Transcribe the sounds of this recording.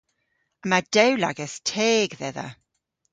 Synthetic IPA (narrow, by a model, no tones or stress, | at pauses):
əmad̥ɛwla̰ɡɛstʰeːɡðɛðə̰